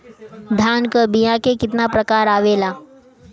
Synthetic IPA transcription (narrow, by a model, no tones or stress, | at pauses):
d̪ʱaːnkəbijãkekɪt̪napɾɐkaːɾaːʋeːlaː